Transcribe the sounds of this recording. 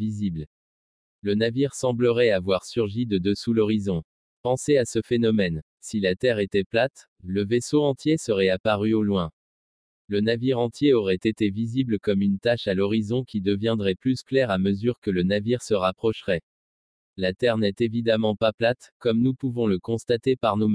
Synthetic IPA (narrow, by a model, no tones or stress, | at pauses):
vizibl | lənaviʁsɑ̃bləʁɛavwaʁsyʁʒid̪əd̪əsulɔʁizɔ̃ | pɑ̃seasəfenɔmɛn | silat̪ɛʁet̪ɛplat̪ | ləvesoɑ̃t̪jesəʁɛapaʁyolwɛ̃ | lənaviʁɑ̃t̪jeɔʁɛt̪et̪evizibləkɔmynt̪aʃalɔʁizɔ̃kʲid̪əvjɛ̃d̪ʁɛplysklɛʁaməzyʁkələnaviʁsəʁapχɔʃʁɛ | lat̪ɛʁnɛt̪evid̪amɑ̃paplat̪kɔmnupuvɔ̃ləkɔ̃st̪at̪epaʁnom